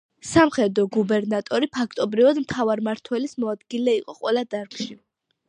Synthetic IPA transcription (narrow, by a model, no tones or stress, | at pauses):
samχɛd̪ɔɡubɛɾnat̪ʼɔɾipʰakʰt̪ʼɔbɾivad̪mt̪ʰavaɾmaɾt̪ʰwɛlismɔad̪ɡilɛiqʼɔqʼwɛlad̪aɾkʰʃi